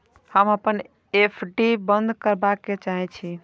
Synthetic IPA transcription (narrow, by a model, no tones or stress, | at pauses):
həməpən | epʰɖibənd̪ʱkəɾbakːet͡ʃaɦɛt͡ʃʰi